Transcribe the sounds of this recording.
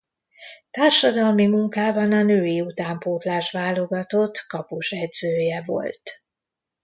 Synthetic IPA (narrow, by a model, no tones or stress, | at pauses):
t̪aːrʃɒd̪ɒlmimuŋkaːbɒnɒnøːiut̪aːmpoːt̪laːʃvaːlo̞ɡɒt̪o̞t̪kɒpuʃɛd̪zøːjɛvo̞̰lt̪